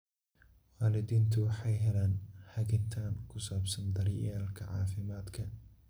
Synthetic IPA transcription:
waːlɪðiːnt̪ʰʊwɑħɑjɦɛlaːnhɐɣɪnt̪ʰaːŋkʰʊsaːbsɐnd̪ɐɾɪjaːlkʰɐʕɑ̰ːfɪmaːd̪kʰɐ

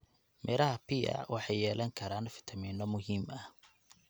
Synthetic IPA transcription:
mʔɛːlɐɦɐpʰiɐ̰wɑħɑjɛːlɐŋkʰɐɾaːnfɪ̥t̪ʰɐmiːnɔmʊɦiːmɐh

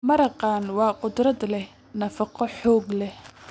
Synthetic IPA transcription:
mɐɾɑqɑːnwɑːqʊd̪rɐd̪lɛ | nɐfɑqɔħɔːɡlɛh

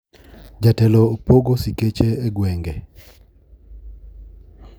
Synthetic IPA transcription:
d͡ʒatɛlopoɡosiket͡ʃeːɡwɛŋɡe

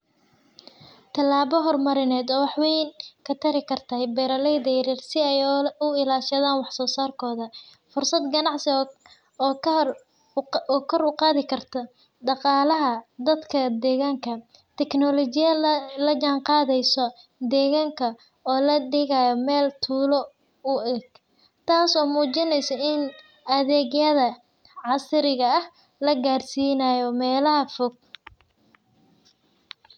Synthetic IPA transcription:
t̪ʰɐlːaːβɔɦɔrmɐɾɪnɛːd̪ɔːwɑħwɛjnkʰɐt̪ʰɐɾɪkʰɐrt̪ʰɐjbɛːɾɐlɛjd̪ɛɾɛrsɪɛjʊɪlaːʃɐðaːnwɑħsɔːsaːrkʰɔːðɐ | fʊrsɐd̪ɡɐnɑʕsɪː | ɔkʰɔɾʊqɑːðɪkʰɐrt̪ʰɐ | ɖɑqɑːlɐɦɐd̪ɐd̪kʰɐd̪ɛːɣaːŋkʰɐ | t̪ʰɛknɔlɔt͡ʃɪjɐlɐt͡ʃanqɑːðɛjsɔ | d̪ɛːɣaːŋkʰɐ | ɔːlɐɖɪɣajɔmɛːlt̪ʰuːlɔ | ʊɛɡ | t̪ʰaːsɔːmuːt͡ʃɪnɛjsɔɪn | ɐðɛːɣjɐðɐ | ʕɑsɪɾɪɣɐɐh | lɐɡaːrsiːnaːjɔmɛːlɐɦɐfɔɡ̚

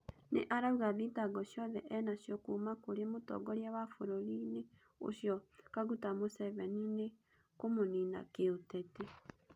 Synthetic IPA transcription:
nḛʔaɾauɣaðitaɡɔʃjɔðɛʔɛnaɕjɔkuːmakoɾemotɔ̰ɡɔɾiawafoɾoɾine | o̰ʃjɔkaɣutamosɛvɛnine | komonina̰keotɛte

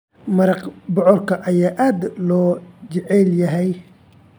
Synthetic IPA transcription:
mɐɾɑqbɔʕɔrkʰɐʔɐjaːʔaːd̪lɔːt͡ʃɐʕɛljɐɦɛj

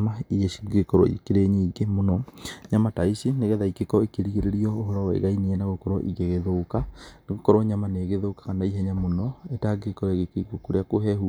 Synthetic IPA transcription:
maiɣeʃiɡekɔɾɔ̰ḭkeɾeɲeiɡemonɔɲamataisineɣɛðaikekɔekeɾiɣeɾeɾiɔoɦɔɾɔwɛḛɣaineɛnaɣokɔɾɔ̰ʔḭɣeɣeðoukaneɣokɔɾɔɲamaneːɣeðoːkḁkanaiɦɛɲamonɔetaɡekɔɾɔeɣekeiɡokoɾeakoɦɛhu

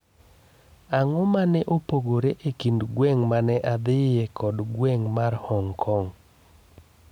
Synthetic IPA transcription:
aŋɔmanɛʔopoɡoɾeʔekindɡwɛŋmanɛʔad̪ɪɛkʰɔdɡwɛŋmarhɔŋkʰɔŋ

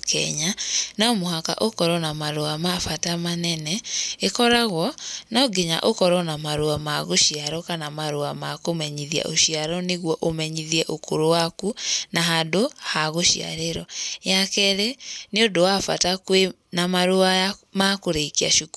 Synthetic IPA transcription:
kʰɛ̰ɲanaɔmoɦaka̰ʔokɔɾɔnamaɾoamafatamanɛnɛekɔɾaɣwɔnaɡeɲa̰ʔokɔɾɔnamaɾoamaɣoʃiaɾɔkanamaɾoamakomɛɲiðia̰ʔo̰ʃiaɾɔneɣwɔʔomɛɲiðiɛʔokʰo̰ɾowakunaɦadohaɣoʃia̰ɾeɾɔjakɛɾeneodowafa̰takwe | namaɾoajamakoɾekia̰ʃok

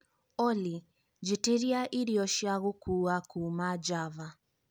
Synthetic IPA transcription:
ɔli | d͡ʒeteɾiaʔiɾijɔʃjaɣokuːakuːmad͡ʒava

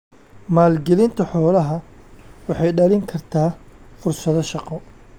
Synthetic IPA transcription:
maːlɡɪlɪnt̪ʰɐħɔːlɐɦɐ | wɑħɑjɖɐlɪŋkʰɐrt̪ʰaːfʊrsɐðɐʃɑqɔ

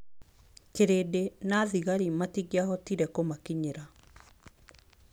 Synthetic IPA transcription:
keɾedenaðiɣaɾimatiɣjahɔtiɾɛkomakiɲeɾa

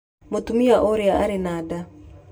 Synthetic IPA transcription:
motumiaʔoɾjaa̰ɾinada

